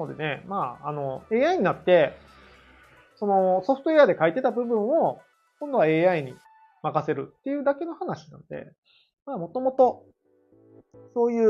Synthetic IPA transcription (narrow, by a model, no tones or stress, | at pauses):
od̪e̞ne̞maːano̞e̞ːaiɲ̟inat̪ːe̞ | so̞no̞so̞ɸɯ̥t̪o̞e̞ad̪e̞kait̪e̞t̪abɯ̟bɯ̟̃ɰ̃o̞ | kõ̞nd̪o̞βae̞ːaiɲ̟i | makase̞ɾɯ̟t̪ːe̞jɯ̟ːd̪ake̞no̞hanaɕi̥nã̰nod̪e̞̰ | maːmo̞t̪o̞mo̞t̪o̞ | so̞ːjɯ̟ː